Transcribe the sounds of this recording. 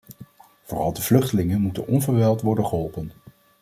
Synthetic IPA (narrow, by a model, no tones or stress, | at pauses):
v̥oːrɑlˠdəvlɵχtəlɪŋənmutə̰nʔɔnvəɹʋɛlˠtʋɔɹdənχəɦɔlˠpən